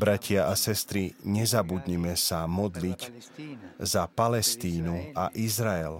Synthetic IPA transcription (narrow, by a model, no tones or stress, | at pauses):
bɾacʰɪaʔasɛst̪ɾiɲɛzabud̪ɲimɛsamɔd̪lic | zapalɛst̪iːnuaʔizɾaɛl